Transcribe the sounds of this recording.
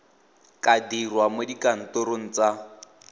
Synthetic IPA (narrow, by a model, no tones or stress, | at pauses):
kʼadirwamodikan̩toɾoŋ̩t͡sa